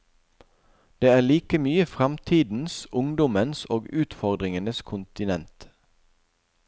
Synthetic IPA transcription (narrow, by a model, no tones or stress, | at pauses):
d̪̥eːæːliːkəmyːəfʁɑmt̪ʰiːd̪n̩sʊŋd̪ɔmənsoːɡʉːt̪fɔʁd̪ʁɪŋənəskʰʊnt̪ɪnɛnt̪